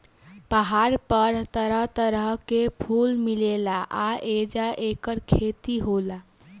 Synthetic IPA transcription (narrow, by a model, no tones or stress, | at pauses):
pəɦaɾpəɾt̪əɾəɦt̪əɾəɦkepʰulmilelaʔaed͡ʒaʔekəɾkʰet̪iɦola